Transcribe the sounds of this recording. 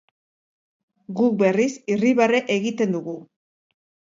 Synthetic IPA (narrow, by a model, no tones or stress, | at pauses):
ɡuk̚be̞risiriβareʔeɣit̪e̞nd̪uɣu